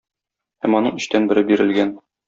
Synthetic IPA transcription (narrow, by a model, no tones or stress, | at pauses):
hæmɒnɤɴɵ̆ɕt̪ænbɘ̆ɾɘbiɾɘ̆lɡæn